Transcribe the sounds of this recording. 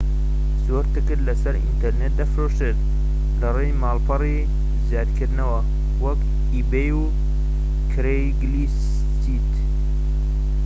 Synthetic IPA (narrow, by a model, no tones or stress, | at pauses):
zoɾt̪ɨkɨɾlɐsɐɾḭnt̪eɾnet̪̚d̪afɾoːʃet̪̚ | lɐrejmaːlpʰɐri | zjaːd̪kʰɨɾd̪nɐwɐ | wɐk | ibeju | kʰɨɾejɡlis | sit̪